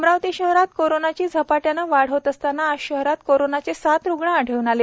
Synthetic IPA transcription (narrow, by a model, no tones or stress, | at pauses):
mɾaʋt̪iɕəɦɾat̪koɾonat͡ɕiːd͡zʱəpaʈjanəʋaɽ̤ət̪əst̪anːaːɕəɦɾat̪koɾonat͡sesat̪ɾuɡɳãːɽ̤ʱəʋnale